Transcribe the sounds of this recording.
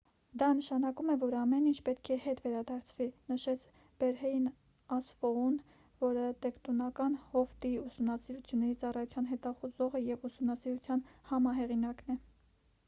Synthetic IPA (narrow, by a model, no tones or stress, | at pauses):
d̪ɑnəʃɑnɑkumɛvɔɾɑmɛnint͡ʃʰpɛt̪kʰɛhɛt̪vɛɾɑd̪ɑɾt͡sʰvinəʃɛt͡sʰ | b̥ɛɾhɛjn | ɑsfɔun | vɔɾət̪ɛkt̪ɔnɑkɑnhɔft̪iusumnɑsiɾut͡sʰjunːɛɾit͡sɑrɑjut͡sʰjɑnɦɛt̪ɑχuzɔʁəjɛvusumnɑsiɾut͡sʰjɑnhɑmɑɦɛʁinɑknɛ